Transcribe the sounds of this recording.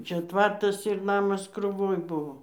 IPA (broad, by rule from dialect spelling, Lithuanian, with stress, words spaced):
ˈt͡ʃʲɛ ˈtʋɐrtɐs ɪr ˈnɑːmɐs krʊˈʋoːj ˈbʊʋoː